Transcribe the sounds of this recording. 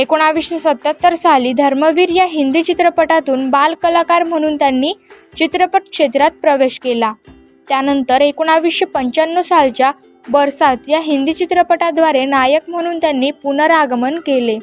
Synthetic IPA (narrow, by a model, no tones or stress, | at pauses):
ekoɽ̃aʋiːɕjəsət̪ːat̪ːəɾsaliːd̪ʱəɾməʋiːɾjaɦind̪iːt͡ɕit̪ɾəpəʈat̪uːnbalkəlakaɾm̤əɽ̃uːnt̪janːiː | t͡ɕit̪ɾəpəʈkʂet̪ɾat̪̚pɾəʋeɕkela | t̪janənt̪əɾekoɽ̃aʋiːɕjəpəɲt͡ɕanːosalt͡ɕja | ʋəɾsat̪jaɦind̪iːt͡ɕit̪ɾəpəʈad̪ʋaɾenajəkm̤əɽ̃uːnt̪janːiːpunəɾaɡmənkele